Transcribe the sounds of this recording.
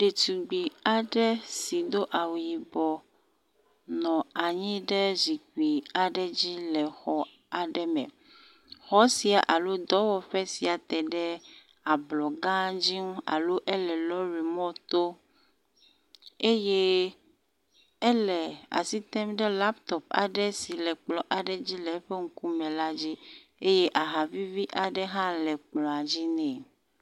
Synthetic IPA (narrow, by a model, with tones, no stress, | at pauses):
ɖe˨t̪u˨ɡ͡bi˨a˨ɖɛ˦si˨d̪o˦ʔa˨wu˨ji˨bɔ˨ | nɔ̃˨a˨ɲĩ˦ɖɛ˦zi˨k͡pi˨a˨ɖɛ˦d͡ʑi˦lɛ˨xɔ˦ | a˨ɖɛ˦mɛ̰̃˨ | xɔ˦si˨a˨ʔa˨lo˦d̪ɔ˦wɔ˨ɸɛ˦si˨a˨t̪ɛ˨ɖɛ˦ | a˨blɔ˨ɡã˦d͡ʑi˦ŋũ˦a̰˨lo˦ʔɛ˦lɛ˨lɔ˦ɾi˨mɔ̃˦t̪o˦ | e˦je˦ | e˦lɛ˨a̰˨si˦t̪ɛ˦mɖɛ˦la˦pt̪ɔ˨p̚a̰˨ɖɛ˦si˨lɛ˨k͡plɔ˨ʔa˨ɖɛ˦d͡ʑi˦lɛ˨˦ɸe˦ŋ̩˦ku˦mɛ̃˨la˦d͡ʑi˦e˦je˦ʔa˨ɦa˨vi˦vi˦ʔa˨ɖɛ˦ɦã˦lɛ˨k͡plɔ̃˨a˨d͡ʑi˦nɛ̃˨